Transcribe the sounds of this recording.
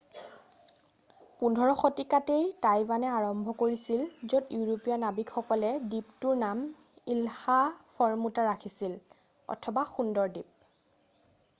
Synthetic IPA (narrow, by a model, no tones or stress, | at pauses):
pundʱɔɹɔxotikatejtajbanɛaɹɔmbʱɔkoɹisilzotjuɹopijanabikxɔkɔlɛdiptuɹnam | ilhafʰɔɹmutaɹakʰisil | ɔ̰tʰɔbaxundɔɹdip̚